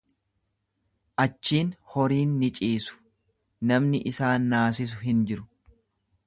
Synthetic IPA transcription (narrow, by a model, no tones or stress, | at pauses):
ʔɐt͡ʃːiːnhɔɾiːnːɪt͡ʃʼiːsʊ̥ | nɐmnɪʔɪsaːnːaːs̬ɪs̬ʊɦɪnd͡ʒɪɾʊ̥